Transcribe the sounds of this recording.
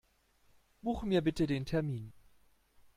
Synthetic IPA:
b̥uːxəmiːɐbɪtədeːntʰɛɐmiːn

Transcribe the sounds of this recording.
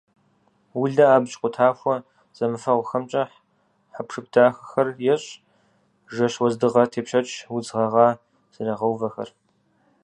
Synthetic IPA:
wʊɮɐaːbt͡ʃʼqʷʼʊtʰaːxʷɔ | z̥ɐmɨfɐʁʷʊxɐmt͡ʃʼɐħ | ħapʂɨp̚tʰaːxɐ̥xɐrjɛɕʼ | ʒɐɕwɔzdɨʁɐtʰeːpɕɐt͡ʃʰʼwʊd͡zʁɐʁɑː | z̥ɐrɐʁɐwvɐxɐ̰r

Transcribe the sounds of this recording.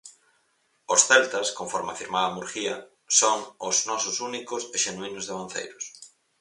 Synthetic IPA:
osθɛlt̪ɐskoɱfɔɾmeafiɾmaamuɾxiɐ | soŋʊznɔsʊsunikʊseʃenwinʊzðeβan̟θḛjɾʊs

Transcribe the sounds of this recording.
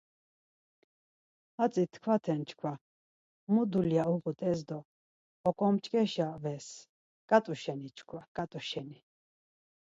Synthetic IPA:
at͡sʼit̪ʰkʰwat̪ʰɛnt͡ʃʰkʰwa | mud̪uljauʁut̪ʼɛzd̪ɔː | kʼɔmt͡ʃʼkʼɛʃavɛs | kʼat̪ʼuʃɛnit͡ʃʰkʰwakʼat̪ʼuʃɛni

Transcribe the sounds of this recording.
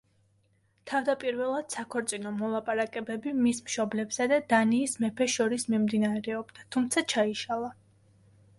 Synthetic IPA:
t̪ʰavd̪apʼiɾvɛlˠad̪̥sakʰɔɾt̪sʼinɔmɔlˠapʼaɾakʼɛbɛbimismʃɔblɛbsad̪ad̪aniːsmɛpʰɛʃɔɾismimd̪inaɾɛɔbd̪̥at̪ʰumt̪sʰat͡ʃʰaiʃalˠa

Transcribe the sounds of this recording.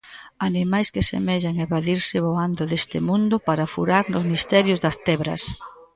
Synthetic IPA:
animajskesḛmɛʎaŋeβaðiɾsɪβoand̪ʊðest̪ɪ̰mũnd̪ʊpaɾafuɾaɾnʊzmist̪ɛɾjʊzðɐst̪ɛβɾɐ̰s

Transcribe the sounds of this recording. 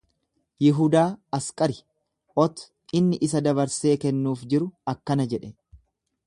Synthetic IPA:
jɪɦʊd̪aːɐskʼɐɾɪ | ʔɔt̪ʊ̥ | ɪnːɪʔɪs̬ɐd̪ɐβɐɾse̞ːkɛnːuːfd͡ʒɪɾʊɐkːɐnɐd͡ʒɛᶑɛ

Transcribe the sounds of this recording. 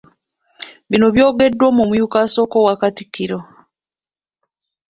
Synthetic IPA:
βino̞βjo̞ːɡe̞dːwomumujukaso̞ːko̞wakatikːiɾo

